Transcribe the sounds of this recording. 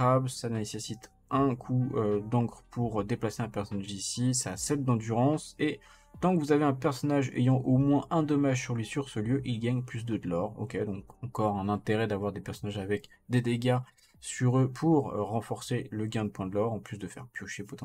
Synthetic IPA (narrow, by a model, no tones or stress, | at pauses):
absanesesit̪ | ɛ̃kʰuød̪ɑ̃kχpʰuʁd̪eplaseɛ̃pɛʁsɔnaʒisisasɛld̪ɑ̃d̪yʁɑ̃se | t̪ɑ̃kəvuzaveɛ̃pɛʁsɔnaʒḛjɑ̃ʔomwɛ̃ʔɛ̃d̪ɔmaʒsyʁlɥisyʁsəljøʔilɡaɲplys̬d̪əd̪əlɔʁo̰kʲed̪ɔ̃kɑ̃kɔʁɛ̃nɛ̃t̪eʁɛd̪avwaʁd̪epɛʁsɔnaʒavɛk | d̪ed̪eɡʲa | syʁøpʰuʁʁɑ̃fɔʁseləɡʲɛ̃d̪əpwɛ̃d̪əlɔʁɑ̃plysd̪əfɛ̰ʁpjoʃepɔt̪ɑ̃